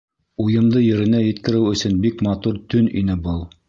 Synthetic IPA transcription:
ujɤ̆md̪ɤjɘ̆ɾɘ̆næjɘ̆t̪kɘ̆ɾɘwɵ̆sɵnbikmɑt̪uɾt̪ɵninɘbɤlˠ

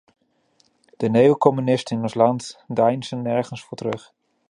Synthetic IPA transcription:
d̥ənejəkɔmynɪstənɪnɔnslɑntdɛjnsənːɛɹχənsfʊːɹtərɵχ

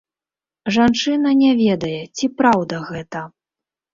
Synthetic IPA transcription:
ʐant͡ʂɨnɐnʲɛvʲɛd̪ɐjɛt͡sʲipɾawd̪ɐɣɛt̪ɐ

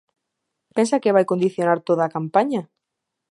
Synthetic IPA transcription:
pensakeβ̞ajkond̪iθjonaɾt̪oðaːkampaɲa

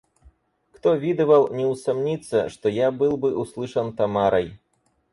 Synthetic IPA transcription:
kt̪ɔvʲid̪ɨvɐlˠnʲɛwsamnʲit̪sːɐ̰ʂt̪ɔjabɨlˠbɨʔuslˠɨʂɐnt̪amaɾɐj

